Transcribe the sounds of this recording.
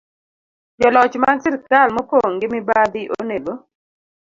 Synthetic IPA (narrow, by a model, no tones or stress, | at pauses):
d͡ʒɔlɔt͡ʃmansɪɾktalmɔpoŋɡɪmɪbad̪ɪʔo̰neɡo